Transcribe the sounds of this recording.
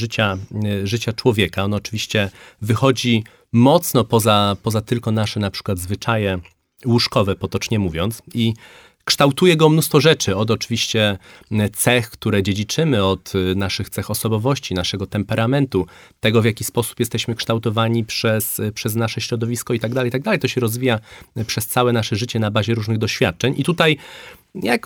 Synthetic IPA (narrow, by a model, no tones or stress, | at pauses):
ʐɘt͡ɕaʐɘt͡ɕat͡ʂwɔvʲjɛkaɔnɔt͡ʂɘvʲiɕt͡ɕɛvɘxɔd͡ʑi | mɔt̪snɔpɔzapɔzat̪ɘlkɔnaʂɛnapʂɘ̥kwad̪zvɘt͡ʂajɛ | wuʂkɔvɛpɔt̪ɔt͡ʂɲɛmuvʲjɔnt̪si | kʂt̪awt̪ujɛɡɔmnust̪fɔʐɛt͡ʂɘɔd̪ɔt͡ʂɘvʲiɕt͡ɕɛt̪sɛxkt̪uɾɛd͡ʑed͡ʑit͡ʂɘmɘɔt̪naʂɘxt̪sɛxɔsɔbɔvɔɕt͡ɕinaʂɛɡɔt̪ɛmpɛɾʔamɛnt̪u | t̪ɛɡɔvʲjakʲispɔsu̥pjɛst̪ɛɕmɘkʂt̪awt̪ɔvaɲipʂɛspʂɛz̬naʂɛɕɾɔd̪ɔvʲiskɔit̪aɡd̪alɛjt̪aɡ̚d̪alɛjt̪ɔɕɛɾɔzvʲijapʂɛst̪sawɛnaʂɛʐɘt͡ɕɛnabaʑɛɾuʐnɘɣd̪ɔɕfʲjat̪̚t͡ʂɛɲit̪ut̪ajjak